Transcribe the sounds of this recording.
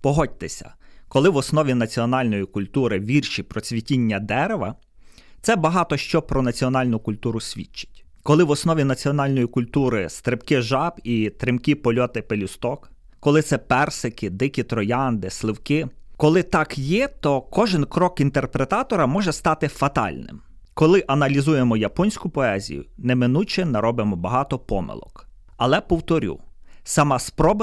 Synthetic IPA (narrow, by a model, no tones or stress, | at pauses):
pɔɦɔd̚ʲt̪esʲɐ̰kɔlˠɪʋɔsnɔʋʲinɐt͡sʲiɔnɑlʲnɔjikʊlʲt̪uɾɪʋʲirʃipɾɔt͡sʲʋʲitʲinʲːɐd̪ɛɾeʋɐ̰ | t̪sɛbɐɦɑt̪ɔʃt͡ʃɔpɾɔnɐt͡sʲiɔnɑlʲnʊkʊlʲt̪uɾʊsʲʋʲḭt͡ʃːɐ̥tʲ | kɔlˠɪʋɔsnɔʋʲinɐt͡sʲiɔnɑlʲnɔjikʊlʲt̪uɾɪst̪ɾepkɪʒɑbit̪ɾɪmkʲipɔlʲɔt̪ɪpelʲist̪ɔkː | ɔlˠɪt̪sɛpɛrsɪkɪd̪ɪkʲit̪ɾɔjɑnd̪ɪslˠɪwkɪkɔlˠɪt̪ɑkjɛt̪ɔkɔʒɪnkɾɔkint̪erpɾet̪ɑt̪ɔɾɐmɔʒɛst̪ɑt̪ɪfɐt̪ɑ̰lʲnɪ̰m | kɔlˠɪʔɐnɐlʲizujemɔjɐpɔnʲsʲkʊpɔɛzʲḭjʊ̰nɛmɪnut͡ʃɪnɐɾɔbɪmɔbɐɦɑt̪ɔpɔmɪ̰lˠɔ̰k | ɐlˠɛpɔwt̪ɔɾʲṵsɑmɑspɾɔb